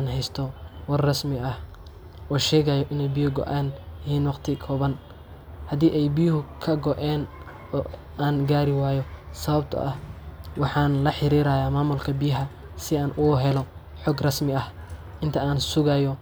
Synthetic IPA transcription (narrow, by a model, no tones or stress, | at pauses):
nɦɛjst̪ʰɔwɑrrɐsmɪɐh | ʔɔːʃɛːɣɐjɔʔɪnɛjbɪjʊɡɔ̰ʔaːnjɪɦiːnwɑqt̪ʰɪkʰɔːβɐn | hɐd̪iːʔɛjbijʊɦʊkʰɐɡɔʔɛːn | ɔː | aːnɡaːɾɪwaːjɔsɐβɐbt̪ʰɐ̰ʔɐhwɑħɑːnlɐħɪɾiːɾajaːmaːmʊlkʰɐbɪjɪɦɐ | sɪaːnʔuːɦɛlɔ | ħɔːɡrɐsmɪɐh | ʔɪnt̪ʰɐaːnsʊɣajɔ